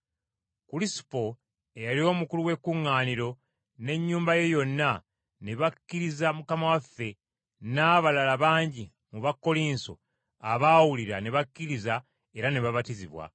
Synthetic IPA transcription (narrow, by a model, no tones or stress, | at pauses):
kulisi̥po̞ | ejalio̞ːmukuluwe̞kːuŋːaːniɾo̞ | ne̞ɲːuːmbaje̞jo̞nːa | neβakːiɾizamukamawafːe̞ | naːβalalaβaːɲɟi | muβakːo̞liːnso̞̰ | aβaːwuliɾaneβakːiɾiza | e̞ɾaneβaβatiziβwa̰